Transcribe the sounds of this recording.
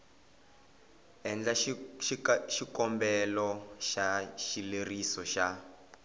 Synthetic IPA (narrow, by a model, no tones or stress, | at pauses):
ɛnd͡ɮa | ʃikɔmbɛlɔʃaʃilerisɔʃa